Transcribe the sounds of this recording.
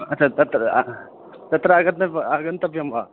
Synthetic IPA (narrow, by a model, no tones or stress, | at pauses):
ɐt͡ʃʰaːt̪ɐt̪ɾɐ | t̪ɐt̪ɾɐːɡɐt̪nɐaɡɐnt̪ɐpjɐmba̰